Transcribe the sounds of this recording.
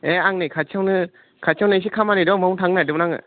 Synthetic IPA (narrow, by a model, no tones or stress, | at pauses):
eaŋnikʰat͡ʃʰawnɯ | kʰat͡ʃʰawnajs̬ikʰamanidɔmɔwŋtʰaŋnɯadɯmnaŋɯ̰